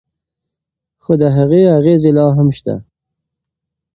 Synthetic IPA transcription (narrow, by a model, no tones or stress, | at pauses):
xod̪əɦaɣeaɣezilɑɦamʃt̪a̰